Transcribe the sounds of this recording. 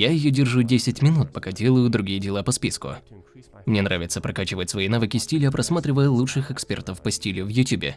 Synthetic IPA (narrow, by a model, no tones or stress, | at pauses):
jajɪjodʲɪrʐudʲesʲɪtʲmʲɪnut̪̚pɐkadʲelˠəjʊd̪ɾʊɡʲijədʲɪlˠapɐspʲiskʊ̰ | mnʲenɾavʲɪt̪səpɾɐkat͡ɕɪvətʲsvɐinavɨkʲɪsʲtʲilʲʊɐpɾʔɐsmat̪ɾʲɪvəjʊlˠuʂɨxɛkspʲert̪əfpəsʲtʲilʲʊvjʊtʲubʲɪ̰